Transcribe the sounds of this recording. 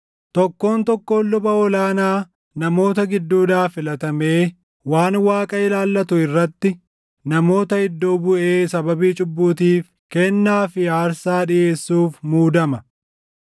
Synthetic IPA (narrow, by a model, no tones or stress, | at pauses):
t̪ɔkːo̞ːnt̪ɔkːo̞ːlːʊbɐɔlaːnaː | nɐmo̞ːt̪ɐɡɪd̪ːuːd̪aːfɪlɐt̪ɐme̞ː | waːnwaːkʼɐɪlaːlːɐt̪ʊɪrːɐt̪ːɪ | nɐmo̞ːt̪ɐɪd̪ːoːbʊʔe̞ːsɐbɐbiːt͡ʃʼʊbːuːt̪̬iːf | kɛnːaːfɪaːɾsaːᶑɪje̞ːsːuːfmuːd̪ɐmɐ